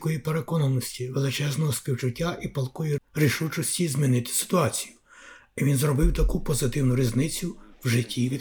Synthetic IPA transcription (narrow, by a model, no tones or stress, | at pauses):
kɔjipeɾekɔnɐnɔsʲtʲiʋelˠɪt͡ʃɛznɔɦɔspʲiwt͡ʃʊtʲːaʔipɐlˠkɔjiriʃut͡ʃɔsʲtʲizʲmʲinɪt̪ɪ̥sɪ̥t̪ʊɑt͡sʲi̥jʊ | iʋʲinzrɔbɪwt̪ɐkupɔzɪt̪ɪwnʊɾʲiznɪt͡sʲʊwʒɪtʲʰːiʋʲi